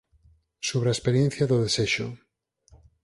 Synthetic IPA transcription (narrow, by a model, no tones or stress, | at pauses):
soβɾaespeɾjen̟θjaðoðeseʃo̰